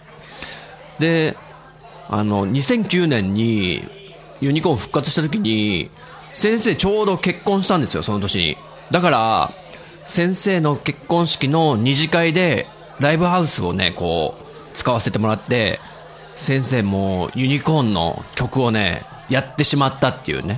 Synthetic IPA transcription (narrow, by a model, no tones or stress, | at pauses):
d̪e̞ | a̰no̞ɲ̟isẽ̞ŋkʲɨːnẽ̞ɲ̟ːḭ | jɯ̟ɲ̟ikõ̞ɰ̃ɸɯ̟̥kːat͡sɨ̥ɕi̥t̪at̪̬ok̬ʲiɲ̟i | sẽ̞ɰ̃se̞ːt͡ɕo̞ːd̪o̞ke̞kːõ̞ɰ̃ɕi̥t̪ãnd̪e̞sɨjo̞̰so̞no̞t̪o̞kʲiɲḭ | d̪akaɾa̰ | sẽ̞ɰ̃se̞ːno̞ke̞kːõ̞ɰ̃ɕi̥kʲino̞ɲ̟iʑikaid̪e̞ | ɾaibɯ̟haɯ̟sɨo̞ne̞̰ko̞̰ː | t͡sɨ̥kaβase̞t̪e̞mo̞ɾat̪ːe̞ | sẽ̞ɰ̃se̞ːmoːjɯ̟ɲ̟ikõ̞nːo̞̰kʲo̞kɯ̟o̞ne̞̰ | jat̪ːe̞ɕimat̪ːat̪ːe̞jɯ̰ːne̞